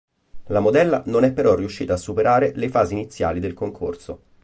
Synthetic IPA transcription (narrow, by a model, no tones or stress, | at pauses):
lamod̪ɛlːanonɛpːeɾɔrːiuʃːiːt̪aːsːupeɾʔaːɾelefaːziːnit̪sːja̰ːlid̪elkoŋkʰo̰rso